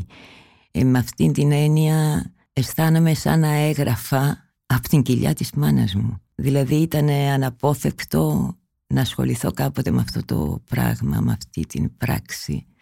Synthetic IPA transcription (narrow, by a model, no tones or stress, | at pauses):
meɐft̪int̪ine̞niɐ | e̞st̪ɐnɐme̞sɐ̰nɐe̞ɣɾɐfɐː | po̥t̪iɲɟiʎɐ̰t̪izmɐnɐ̰zmuðilɐðiit̪ɐne̞ɐnɐpo̞θe̞kt̪o̞ | nɐːsxo̞̰liθo̞kɐpo̞t̪emɐft̪o̞t̪o̞̰pɾɐ̰ɣmɐ̰mɐft̪ḭt̪inpɾɐ̰ksḭ